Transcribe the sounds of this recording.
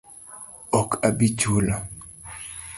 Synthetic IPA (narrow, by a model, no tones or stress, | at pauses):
ɔkabit͡ʃula